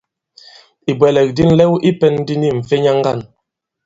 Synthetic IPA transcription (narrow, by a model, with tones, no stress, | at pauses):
i˨bwɛ˨lɛ˨k̚di˦n̩˦lɛ˦wʔi˦pɛ˦n˦di˦ni˦˨m̩˨fe˦ɲa˦ŋ˦ɡa˦˨n